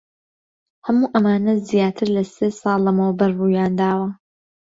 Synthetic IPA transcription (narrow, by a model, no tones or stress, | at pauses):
hɐmuːʔɐmaːnɐzijaːt̪ʰɨɾlɐseːsɑːlˠɐmɐwbɐɾruːjaːnd̪aːwɐ